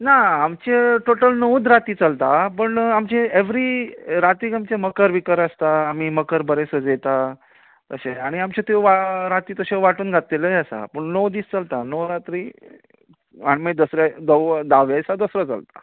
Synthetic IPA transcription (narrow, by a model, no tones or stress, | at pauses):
naːmt͡ɕeʈoʈəlnowd̪ɾat̪iːt͡səlt̪apəɳamt͡ɕeeʋɾiɾat̪ɾiːkamt͡ɕẽməkəɾʋikəɾəst̪aːm̤iːməkəɾbəɾesəd͡zet̪a | t̪əɕẽaɽ̃iamt͡ɕet̪eʋaɾat̪iːt̪əɕẽʋaʈuːnɡʱat̪eləjəsa̰pəɳnowd̪iːst͡səlt̪anowɾat̪ɾiː | aɽimed̪əsɾad̪əwd̪aʋjajsad̪əsɾət͡sə̰lt̪ḁ̰